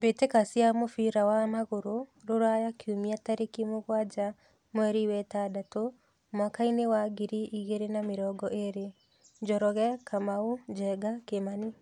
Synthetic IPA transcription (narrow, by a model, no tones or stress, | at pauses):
betekasjamofiɾawamaɣoɾoɾoɾajakʰiumiataɾekimoɣwad͡ʒa | mwɛɾiwɛtadato | mwakainewaɡiɾiʔiɣeɾenameɾɔɡɔʔeɾe | ɲd͡ʒɔɾɔɣɛkʰamaud͡ʒɛɡakemani